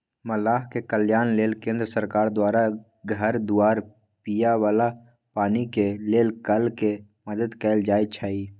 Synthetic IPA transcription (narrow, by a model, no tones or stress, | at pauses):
məlaːɦkekəljaːnleːlkẽːnd̪ɾəsəɾkaːɾd̪waːɾa | ɡʱəɾd̪ʊaːɾ | pijawaːla | paːnikeleːlkəlke | məd̪əd̪kɛːld͡ʒaːit͡ʃʰaːiː